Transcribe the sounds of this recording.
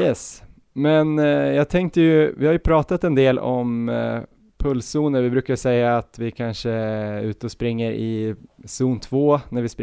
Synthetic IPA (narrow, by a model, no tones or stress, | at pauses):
jɛs | mɛnjɑːɡ̚t̪ʰɛŋk̚t̪əjɵvɪhaɾjɵpʰɾɑːt̪at̪ɛnd̪eːlʔɔm | pʰɵlsuːnəɾvɪbɾʉ̟ːkaʂɛjːaːt̪vɪkʰanʂəʉ̟ːt̪əɔspɾɪŋːəɾʔɪsuːnt̪ʰvoːnæɾvɪsp